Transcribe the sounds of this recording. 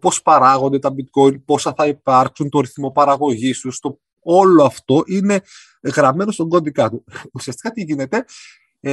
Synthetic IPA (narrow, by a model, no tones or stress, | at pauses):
po̞spɐɾɐɣo̞nd̪e̞t̪ɐbit̪ko̞inpo̞sɐθɐipɐɾksunt̪oɾiθmo̞pɐɾɐɣo̞ʝist̪ust̪o | oloɐft̪o̞ʔine̞ | ɣɾɐme̞nost̪oŋɡo̞nd̪ikɐt̪uusiɐst̪i̥kɐt̪iʝine̞t̪e̞